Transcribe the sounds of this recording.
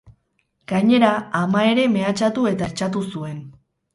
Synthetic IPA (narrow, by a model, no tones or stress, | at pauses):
ɡ̥aɲe̞ɾaamae̞ɾe̞me̞at͡ʃat̪ue̞t̪aeɾt͡ʃat̪usue̞n